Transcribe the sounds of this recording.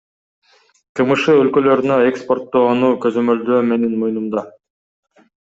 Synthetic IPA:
t̪ʰɯmɯʃɯølkø̞lø̞ɾynøekspo̞rt̪ːo̞ːnuːkø̞zø̞mø̞ld̪øːme̞nenmojnumd̪ɑ

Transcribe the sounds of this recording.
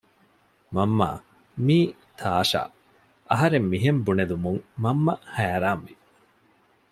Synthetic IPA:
mɐmːa̰ː | miː | t̪ʰaːʃa̰ː | ʔɐɦɐɾemːiɦembuned̪umuŋmɐmːɐhæːɾaːnʋi

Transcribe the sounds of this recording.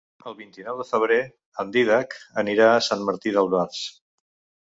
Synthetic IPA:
əlˠβint̪inɔwðəfəβ̞ɾe | ənd̪iðakəniɾaəsanməɾt̪iðəlˠβaɾs

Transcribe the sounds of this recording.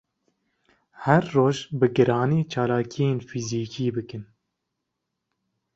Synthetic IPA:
hɛɾːoːʒbɨɡɨɾɑːneːt͡ʃʰɑːlɑːkʰijeːnfiziːkʰiːbɨkɨn

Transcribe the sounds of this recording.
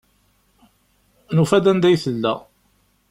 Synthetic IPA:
nufæd̪ænd̪æjθəlːæ

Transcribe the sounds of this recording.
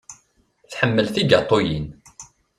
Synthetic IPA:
θħəmːəlθiɡɑt̪ˤːojin

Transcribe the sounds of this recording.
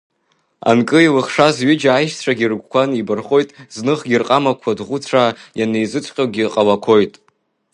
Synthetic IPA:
a̰nkʼɨilɨχʂazɥɪd͡ʒajʃt͡ɕʷʰaɡʲirɡʷkʷʰanibɨrχo̞jtʼznɨχɡʲirqʼamakʷʰadʁʷʊt͡sʷʰajane̞jzɨt͡sʷʰʼqʲʼaɡʲiqʼalakʷʰo̞jtʼ

